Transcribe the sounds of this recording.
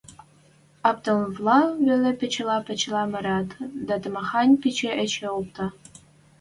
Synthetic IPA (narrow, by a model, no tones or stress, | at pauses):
ɑp̚t̪ɤ̆lvlˠɑβelĕpʲĕt͡ɕ̆lɑpʲĕt͡ɕlɑmɤ̆ɾɑt̪d̪ɑt̪ə̆mɑxɑnʲpʲit͡ɕeʔet͡ɕeop̚t̪ɑ